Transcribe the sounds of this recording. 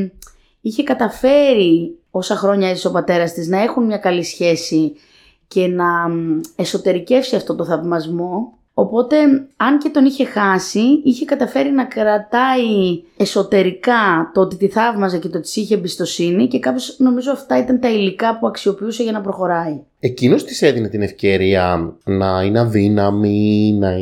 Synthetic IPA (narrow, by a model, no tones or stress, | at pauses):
içe̞kɐt̪ɐfe̞ɾio̞sɐxɾoɲɐisso̞pɐt̪e̞ɾɐst̪iznɐe̞xunmɲɐkɐlisçe̞si | ce̞nɐe̞so̞t̪e̞ɾice̞fsiɐft̪o̞t̪oθɐvmɐzmo̞ | opo̞t̪e̞ɐnce̞t̪o̞niçe̞xɐsiiçe̞kɐt̪ɐfe̞ɾinɐkɾɐt̪ɐieso̞t̪e̞ɾikɐt̪oot̪it̪iθɐvmɐzece̞t̪ot̪i̥siçeːmbist̪o̞sinice̞kɐpçosno̞mizoɐft̪ɐit̪ɐnt̪ɐilikɐpuɐksio̞piuse̞ʝɐnɐpɾo̞xo̞ɾɐi | e̞cino̞st̪i̥se̞ðinet̪ine̞fce̞ɾiɐnɐineðinɐminɐ